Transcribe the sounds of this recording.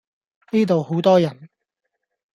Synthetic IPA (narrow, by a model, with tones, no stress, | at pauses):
niː˥t̪o˨who˨˥wt̪ɔː˥jɐ˨˩n